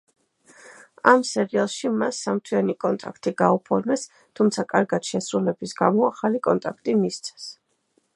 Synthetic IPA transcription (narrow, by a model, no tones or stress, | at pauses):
a̰msɛɾialˠʃimasːamt̪ʰwianikʼɔnt̪ʼa̰kʰt̪ʼiɡaupʰɔɾmɛs | t̪ʰumt̪sʰakʼaɾɡat̪ʃɛsɾulɛbisɡamɔaχalikʼɔnt̪ʼakʰt̪ʼimist̪sʰɛ̥s